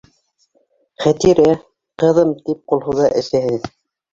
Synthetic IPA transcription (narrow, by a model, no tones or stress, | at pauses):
χæt̪iɾæ | qɤ̆ðɤmt̪ip̚qulˠɦɤ̆wðɑʔɘ̆ʃæhɘð